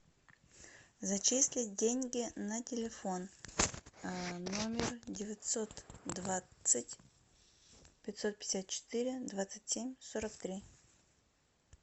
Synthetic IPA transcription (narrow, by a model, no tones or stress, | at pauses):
zɐt͡ɕisʲlʲɪdʲenʲɡʲɪnətʲɪlʲɪfo̞n | nomʲɪrdʲɪvʲɪt̪so̞t̪d̪vasɨtʲ | pʲɪtʲso̞t̪̚pʲɪ̥sʲat̪̚t͡ɕɪ̥t̪iɾʲɪd̪vat̪sɨtʲsʲemʲsoɾəkt̪ɾʲi